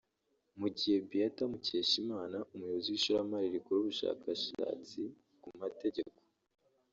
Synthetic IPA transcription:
muɟihe̞bijatamuce̞ːʃimaːnaʔumujo̞βoziwiʃuɾamaɾiɾikuɾuβuʃa̰ːkaʃa̰ːt͡si | kumate̞ɟe̞ko̥

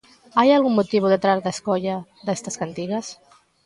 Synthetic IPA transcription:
ajalˠɣumːut̪iβuðət̪ɾaɾðəskɔʎaðɛst̪əskant̪iɣəs

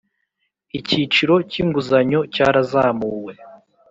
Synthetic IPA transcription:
icit͡ʃiɾo̞ciːŋɡuzaɲo̞caːɾazaːmuːwe

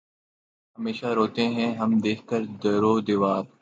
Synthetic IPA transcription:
ɦɐmeːʃaɾoːt̪eɦɛ̃ɦɐmd̪eːkʰkəɾd̪ɐɾoːd̪ɪʋaːb̚

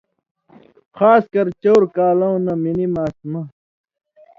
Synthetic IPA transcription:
xaːskɐɾt͡ɕoːɾkaːlɐwnɐminimaːsmɐ

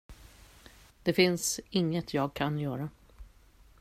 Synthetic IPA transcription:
d̪̥ɛfɪnsɪŋːət̪ʰjɑːɡ̚kʰanjœːɾa

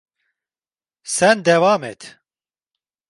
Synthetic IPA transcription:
sɛnd̪ɛvaːmet̪

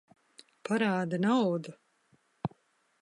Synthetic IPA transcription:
paɾaːd̪anawd̪u

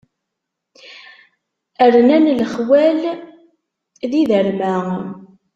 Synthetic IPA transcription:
əɾnænlχwæl | ðiðəɾmæ

